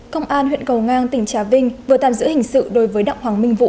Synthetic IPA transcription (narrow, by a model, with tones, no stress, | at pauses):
kə˧wŋ͡mʔaː˧nhwḭ˧˨nkə˨˩wŋaː˧nt̪ï˨˩ŋ̟t͡ɕaː˨˦vï˧ŋ̟vɨ˨˩ət̪a̰ː˧˨mzɨ̰˧˥hï˨˩ŋ̟sɨ̰˧˨ɗo˨˦jvəː˨˦jɗa̰˧˨w̚hwaː˨˩˦ŋmï˧ŋ̟vṵ˧˨